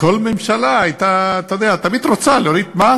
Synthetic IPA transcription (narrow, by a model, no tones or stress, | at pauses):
kolmemʃalaajt̪aːt̪ad̪eat̪amid̪ɾot͡saleoɾid̪ma